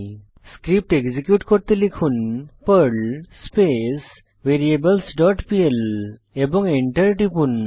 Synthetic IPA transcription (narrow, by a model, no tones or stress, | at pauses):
skɾip̚ʈeɡd͡zikjuʈkɔɾt̪elikʰuːnpəɾɭspes | ʋeɾiebəlsɖɔʈpiel | ebɔ̃ŋɡeɳʈəɾʈipun